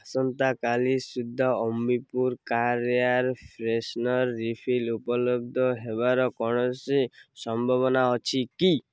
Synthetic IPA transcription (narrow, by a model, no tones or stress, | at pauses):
asɔnt̪akalisud̪ʱːɔɔmbipuɾkaɾiaɾpʰɾesnɔɾːipʰilupɔlɔb̚d̪ʱɔɦebaɾɔkɔɽ̃ɔsisɔmbʱɔβɔnaɔt͡ʃʰiki